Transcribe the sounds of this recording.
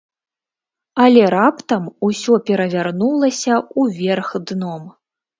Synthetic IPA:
ɐlʲɛɾapt̪ɐmusʲɔpʲɛɾɐvʲarnulˠɐsʲɐuvʲɛrxd̪nɔm

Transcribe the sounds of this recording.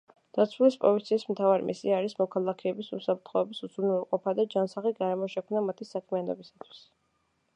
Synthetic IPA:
d̪̥at̪sʰwulispʼɔ̰lit̪sʰiːsmt̪ʰavaɾḭmʔḭsiaːɾismɔkʰalˠakʰɛːbisṵsapʰɾt̪ʰχɔɛbisud̪zɾunɛlˠqʼɔpʰad̪ad͡ʒansaχiɡaɾɛmɔʃɛkʰmnamat̪ʰisakʰmianɔ̰bisḁt̪ʰwi̥s

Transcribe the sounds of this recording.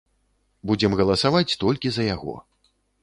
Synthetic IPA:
bud͡zʲɛmɣɐlˠɐsavat͡sʲt̪ɔlʲkʲizɐjaɣɔ̰

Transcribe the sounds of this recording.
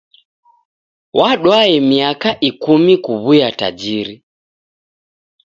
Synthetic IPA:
wʔaɗwaɛmiakaʔikumikuβujata̰d͡ʒiɾi

